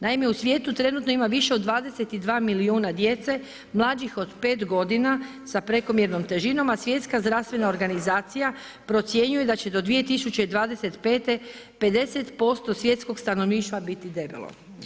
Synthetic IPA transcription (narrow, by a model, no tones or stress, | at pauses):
naimjeusʋje̞ːt̪ut̪ɾe̞nut̪noimaʋiʃe̞od̪ʋaːd̪e̞set̪id̪ʋaːmiliuːnad̪je̞t̪se̞ | mlˠad͡ʑixo̞d̪pe̞ːt̪ɡo̞d̪ina | sapɾe̞ko̞mjeɾno̞mt̪e̞ʒino̞masʋje̞t̪skazd̪ɾaʋst̪ʋe̞nao̞ɾɡanizaːt̪sija | pɾo̞t̪sje̞ɲuje̞d̪at͡ɕe̞d̪o̞d̪ʋije̞t̪isut͡ɕeid̪ʋaːd̪e̞se̞t̪pe̞ːt̪e̞ | pe̞d̪e̞se̞t̪po̞st̪o̞sʋje̞t̪sko̞kst̪ano̞ʋniːʃt̪ʋabit̪id̪ebḛlˠo̞̰